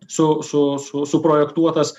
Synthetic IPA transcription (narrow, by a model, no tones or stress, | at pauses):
sʊsʊsʊsʊpɾoːjɛkt̪uɔt̪ɐs